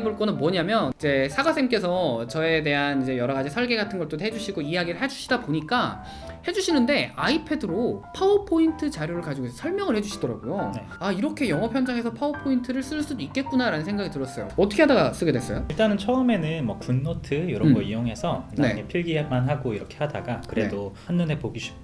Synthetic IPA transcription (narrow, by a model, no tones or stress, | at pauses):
eboɭk͈ʌnɯnmwʌɲamjʌnid͡ʑe̞sʰaɡas͈ʰemk͈e̞sʰʌt͡ɕʌe̞te̞ɦanid͡ʑe̞jʌɾʌɡad͡ʑisʰʌɭɡe̞ɡatʰɯnɡʌɭt͈oɦe̞d͡ʑuɕʰiɡoijaɡiɾɯɭɦe̞d͡ʑuɕʰi̥daboɲik͈a | he̞d͡ʑuɕʰinɯnde̞aipʰe̞dɯɾopʰaopʰointʰɯt͡ɕaɾjoɾɯɭkad͡ʑiɡoid͡ʑesʰʌɭmjʌŋɯɭhe̞d͡ʑuɕʰidʌɾa̰ɡojoneaiɾʌkʰe̞jʌŋʌpʰjʌnd͡ʑaŋe̞sʰʌpʰaopʰointʰɯɾɯɭs͈ɯɭs͈udoik͈e̞t̚k͈unaɾanɯnsʰeŋɡaɡitɯɾʌs͈ʌjo̰ʌtʰʌkʰe̞ɦadaɡas͈ɯɡe̞dwes͈ʌjoiɭt͈anɯnt͡ɕʰʌɯme̞nɯnmwʌkunːotʰɯjoɾʌɡʌioŋɦe̞sʰʌimne̞̰epʰiɭɡiamanɦaɡoiɾʌkʰe̞hada̰ɡakɯɾe̞̰doanːɯne̞poɡiɕʰi̥